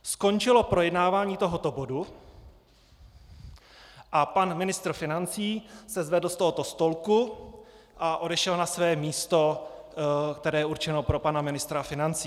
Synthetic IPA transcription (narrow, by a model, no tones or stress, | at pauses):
sko̞nt͡ʃɪlo̞pɾojɛdnaːvaːɲiːt̪o̞ɦo̞t̪o̞bo̞du | ʔapanmɪnɪst̪ɾ̩fɪnant͡siːsɛzvɛdl̩st̪oɦo̞t̪o̞st̪o̞lku | ʔaʔo̞dɛʃɛlnasvɛːmiːst̪o̞ | kt̪ɛɾɛːjɛʔuɾt͡ʃɛno̞pɾo̞panamɪnɪst̪ɾafɪnant͡siː